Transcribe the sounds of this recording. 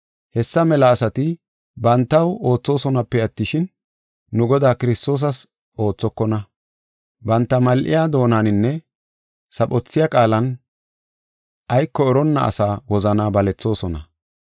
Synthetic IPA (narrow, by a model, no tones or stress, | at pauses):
hɛsːɐmɛlɐːsɐt̪ɪ | bɐnt̪ːɐwo̞ːt͡sːo̞ːsɔnɐpːɛɐt̪ːɪʃɪnː | ʊɡɔd̪aːkɪɾɪst̪o̞ːs̬ɐs | o̞ːt͡sːɔkːɔnɐ | bɐnt̪ːɐmɐlʔɪ̰jaːd̪o̞ːnanɪnːɛ | sɐpʼɔt͡sːɪjakʼaːlɐn | ʔɐjkːɔːɾɔnːɐ̰ɐ̰saːwɔzɐnaːbɐlɛt͡sːo̞ːsɔnɐ